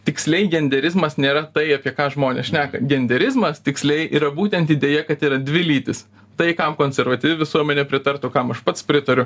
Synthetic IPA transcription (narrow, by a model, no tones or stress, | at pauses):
t̪ʲɪksʲlʲɛɪɡʲɛnʲd̪ʲɛɾʲɪzmɐsnʲeːɾɐt̪ɐɪɑːpʲiɛkɑːʒmoːnʲḛːsʃʲnʲæːkɐɡʲɛnʲd̪ʲɛɾʲɪzmɐst̪ʲɪksʲlʲɛɪʔiːɾɐbuːt̪ʲɛnt̪id̪ʲeːjɛkɐt̪iːɾɐd̪ʲʋʲɪlʲiːt̪ʲɪs | t̪ɐɪkɐmkoːnʲsʲɛɾʋɐt̪ʲiːʋʲɛʋʲɪsuɔmʲɛnʲɛpʲɾʲɪt̪ɐrt̪ʊkɐmɐʃpɐt̪spʲɾʲɪt̪ɐɾʲʊ